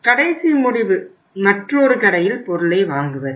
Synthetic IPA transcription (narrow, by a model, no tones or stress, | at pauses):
kɐɽɐɪsimʊɽɪʋɯ | mɐʈroːɾɯkɐɽɐjɪlpɔɾɯɭɐːʋaːŋɡɯʋɐɾɯ